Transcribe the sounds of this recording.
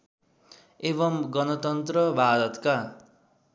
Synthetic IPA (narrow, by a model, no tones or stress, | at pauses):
eβʌmɡʌnʌt̪ʌnt̪rʌbʱad̪ʌt̪ka